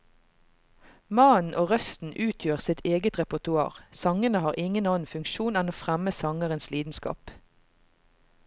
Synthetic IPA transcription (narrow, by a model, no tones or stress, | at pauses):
mɑːn̩ʔoːʁœst̪n̩ʔʉːt̪ʰjøːʁsɪt̪ʰeːɡət̪ʁɛpʊt̪ʉɑ̰ːʁsɑŋənəhɑːʁʔɪŋənɑːn̩fʉŋkʃuːnɛnoːfʁæməsɑŋəʁənsliːd̪n̩skɑ̰ːp